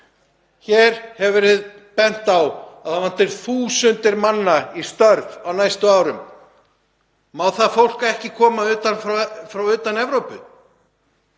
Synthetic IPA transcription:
çɛːɾ̥hɛvʏɾɪð | pɛn̥t̪awaðhavan̥t̪ɪɾ̥θuːsʏnt̪ɪɾmanːaist̪œɾvawnajst̪ʏaːwɾʏm | mawθaðfowl̥kaɛhcɪkʰɔːmaʏːt̪anffɾawʏːt̪anɛvɾowpʏ

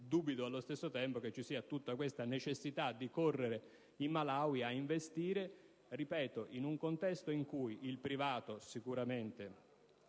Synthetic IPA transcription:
d̪ubit̪oalːost̪esːot̪ɛmpoket͡ʃːisiːat̪ut̪ːakwest̪anet͡ʃesːit̪ad̪ːikorːeɾe | imːalawiaiɱvest̪iːɾe | ripɛːt̪oʔinuŋkont̪ɛst̪oiŋkujilpɾivaːt̪osikuɾament̪e

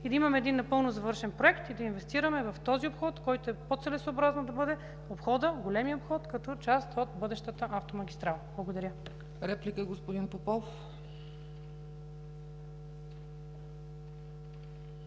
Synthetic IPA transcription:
id̪ɐimɐmɛːd̪inːɐpɤlˠnozɐvɤɾʃɛnpɾoɛkt̪id̪ɐinvɛst̪iɾɐmɛvɐft̪ɔziopxɔt̪kɔjt̪oɛpot̪sɛlɛsoːbɾaznɐd̪ɐbɤd̪ɛ | opxɔd̪əɡolɛmiəopxɔt̪kɐt̪ɔt͡ʃast̪ot̪bɤd̪ɛʃt̪ət̪əʔaft̪omɐɡʲist̪ɾalˠblˠɐɡod̪ɐɾʲjə | ɾɛplikəɡospod̪inpopɔlˠ

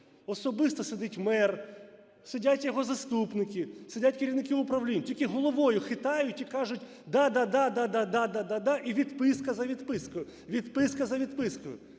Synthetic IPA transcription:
ɔsɔbɪst̪ɔsed̪ɪtʲmɛr | sedʲatʲjɔɦɔzɐst̪upnɪkisɪdʲatʲkɐɾʲiwnɪkɪʊpɾɐʋlʲinʲtʲilʲkʲɪɦɔlˠɔʋɔjʊxɪt̪ɑjʊtʲikɑʒʊtʲ | d̪ɑd̪ɑd̪ɑd̪ad̪ad̪ad̪ad̪ad̪ɑʔiʋʲid̪pɪskɐzɐʋʲid̪pɪskʊjʊ | ʋʲid̪pɪskɐzɐʋʲid̪pɪskʊjʊ

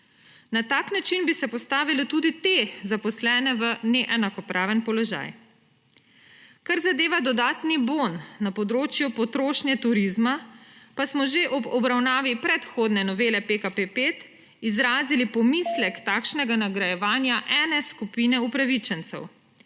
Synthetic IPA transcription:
nat̪aːknat͡ʃinbisɛpɔst̪aːʋilɔt̪uːd̪it̪ezapɔslɛːnɛʋənɛʔɛnakɔpɾʔaːʋənpɔlɔʒa̰j | kaɾzad̪eːʋad̪ɔd̪aːt̪nibonːapɔd̪ɾoːt͡ʃjupɔt̪ɾoːʃnjɛt̪uɾizmapasmɔʒeʔɔbɔbɾawnaːʋipɾɛt̪xoːd̪nɛnɔʋeːlɛpekapepeːt̪ | izɾaːzilipɔmislɛkt̪aːkʃnɛɡanaɡɾajɛʋaːnjaʔɛːnɛskupiːnɛupɾaʋit͡ʃɛnt̪sɛ̰w

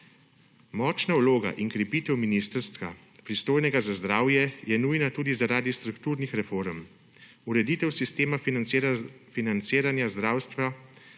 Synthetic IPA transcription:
mɔːt͡ʃnauloːɡa̰ʔiŋkɾɛpiːt̪ɛwminist̪əɾst̪ʋa̰ | pɾist̪oːjnɛɡazazd̪ɾaːwjɛjɛnujnat̪uːd̪izaɾaːd̪ist̪ɾukt̪uːɾnixɾɛfoɾm | uɾɛd̪iːt̪ɛwsist̪eːma | finant̪seːɾanjazd̪ɾaːwst̪ʋa

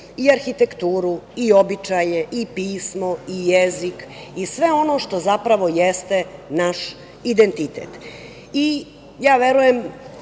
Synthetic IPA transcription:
iaɾxit̪ekt̪uːɾuiobit͡ʃajeʔipiːsmo̞ijezikisʋe̞o̞no̞ʃt̪o̞zapɾaʋo̞jest̪e̞naʃ | id̪ent̪it̪ḛːt̪ | i | jaːʋeɾujem

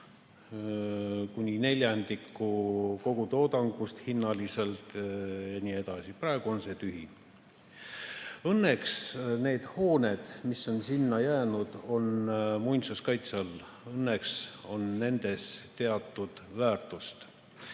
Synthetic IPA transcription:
kunʲine̞lʲjɑnd̪ikːˑuko̞ɡ̥ut̪o̞ːd̪ɑŋɡ̥ust̪hinːɑlise̞lt̪jɑnʲie̞d̪̥ɑsipɾrɑeɡ̥uo̞nse̞t̪yɦi | ɤnːe̞ksne̞ːd̪̥ho̞ːne̞d̪̥misːo̞nsinːɑjæːnud̪̥o̞nmujnʲt̪suskɑjt̪sɑl | ɤnːekso̞nːe̞nd̪̥e̞st̪e̞ɑt̪ːˑud̪̥væːrt̪ˑust̪

